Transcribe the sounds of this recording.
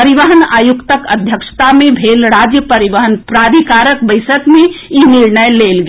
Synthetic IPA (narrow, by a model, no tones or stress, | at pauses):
əɾiʋəɦənajukt̪əkəd̪ʱjəkʃt̪amebʱelɾad͡ʒjəpəɾiʋəɦənpɾad̪ʱikaɾəkbəɪsəkmeiniɾnəjlelɡ